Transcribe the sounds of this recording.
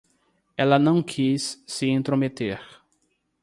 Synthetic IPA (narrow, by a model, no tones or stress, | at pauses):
ɛlɐnɐ̃w̃kʰisːɪẽnt̪ɾomet̪eɾ